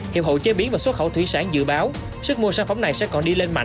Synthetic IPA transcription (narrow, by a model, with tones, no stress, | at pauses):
hi˨əpho̰˧˨jt͡ɕe˨˦ɓi˨˦ənvːswə˦˥t̚xə˧˨wt̪ʰwi˧˨saː˧˩nzɨ̰˧˨ɓaː˨˦w | sɨ˦˥k̚mu˧saː˧nfa˧˩˦wŋ͡mna˨˩jsɛ̰˧˥kɔ˨˩nɗi˧le˧nma̰˧˨